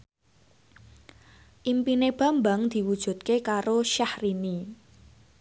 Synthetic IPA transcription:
ʔimpineb̥ä̤mba̤ŋd̪̥i̤wud̥ʒ̥ṳt̪̚kekaɾoʃahrini

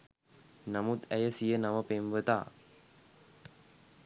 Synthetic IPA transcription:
namut̪æjəsijənaməpemʋət̪a̰ː

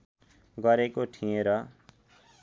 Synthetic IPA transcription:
ɡʌɾekoʈʰiẽɾʌ

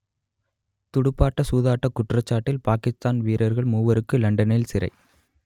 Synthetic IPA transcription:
t̪ʊɽɯpːaːʈːɐsuːðaːʈːɐkːʊʈrɐt͡ʃːaːʈːɪlpaːkɪst̪aːnʋiːɾɐɾɣɐɭmuːʋɐɾɯkːɯlɐɳɖɐnɪlsɪɾɐ̰ɪ

